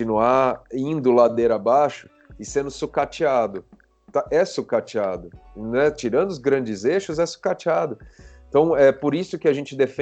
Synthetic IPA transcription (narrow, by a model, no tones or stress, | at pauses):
inuaĩnd̪ʊlad̪eɾɐabaʃʊ̥ | ɪsẽnd̪ʊsukat͡ʃiad̪ʊ | t̪aʔɛsukat͡ʃiad̪ʊnɛt͡ʃiɾɐ̃nd̪ʊzɡɾɐ̃nd͡ʒɪzeʃʊzɛsu̥kat͡ʃiad̪ʊẽt̪ɐ̃w̃ɛpoɾisʊkɪɐʒẽnt͡ʃɪd̪ef